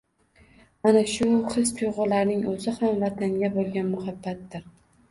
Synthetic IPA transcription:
anaʃʊχɨst̪ʰʊjʁʊlaɾnɪŋɵzɪhamvat̪ʰaŋɡʲabolˠɡʲanmʊhabːat̪dɪɾ

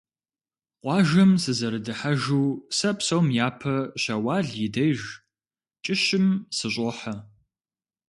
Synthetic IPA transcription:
qʷɑːʒɐmsɨzɐɾɨdɨħɐʒuːsɐpsɐwmjaːpʰɐɕɐwɑːɮjɪdɐjʒ | t͡ʃʼɪʃɪmsɨɕʼɔħɐ

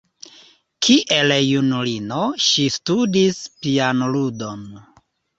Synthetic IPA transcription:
kʰiʔeljunulinoʃistudispianludon

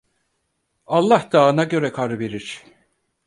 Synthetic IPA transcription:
alˠːahd̪̥aːɯnaɟø̞ɾɛkʰaɾɯbeɾiɾ̥

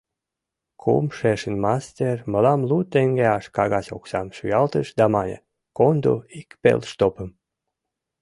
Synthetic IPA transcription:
kʰṵmʃeʃə̆nmɑst̪ʲerməlɑmlut̪ːeŋɡeɑʃkɑɣɑsʲo̰ksɑmʃyjɑlt̪əʃd̪ɑmɑnʲə̰ | kond̪ṵikpḛlʃt̪opəm

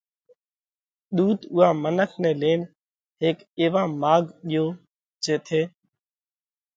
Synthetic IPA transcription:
ɗ̪uːt̪ʊːɦãːmənəkʰnɛ̃ːleːn | ɦeːk | eːʋãːmaːɡɗɪjoː | d͡ʒeːt̪ʰeː

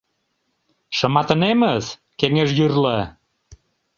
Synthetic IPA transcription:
ʃə̆mɑt̪ə̆neməz | keŋeʃjyrlə

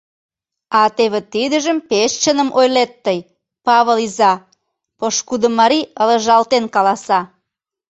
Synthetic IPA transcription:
ɑt̪eβet̪id̪əʒəmpeʃt͡ɕənəmʔojlet̪ːəj | pɑβəlizɑ | poʃkud̪ə̆mɑɾiələ̆ʒɑlt̪enkɑlɑsɑ

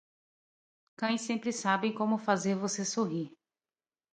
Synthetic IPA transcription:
kɐ̃j̃sẽmpɾɪsabẽj̃kõmʊfazeɾvosesoɦiɾ

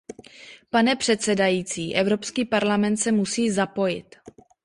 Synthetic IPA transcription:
panɛpr̝̥ɛt̪sɛdajiːt͡siːʔɛvɾo̞pskiːpaɾlamɛnt̪sɛmusiːzapo̞jɪ̰t̪

